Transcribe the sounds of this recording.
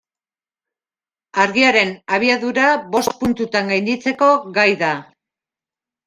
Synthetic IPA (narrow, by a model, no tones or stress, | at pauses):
aɾɣiaɾe̞naβ̞iaðuɾaβo̞st̪̚punt̪ut̪aŋɡajnd̪it͡se̞ko̞ɣajða